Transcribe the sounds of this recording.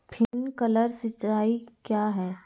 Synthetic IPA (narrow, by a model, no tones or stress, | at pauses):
pʰɪnkɐləɾsɪt͡ʃaːikjaːɦɛː